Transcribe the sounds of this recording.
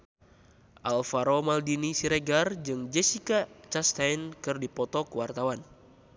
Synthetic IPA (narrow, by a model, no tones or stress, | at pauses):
ʔalfaɾomaldinisiɾɛɡard͡ʒɨŋd͡ʒɛsikat͡ʃast̪ajnkɨrdipɔt̪ɔkuwart̪awan